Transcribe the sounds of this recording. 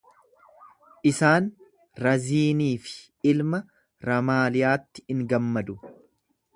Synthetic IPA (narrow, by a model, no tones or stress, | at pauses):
ʔɪsaːn | ɾɐziːniːfɪ̥ | ɪlmɐ | ɾɐmaːlɪjaːt̪ːɪ̥ɪŋɡɐmːɐd̪ʊ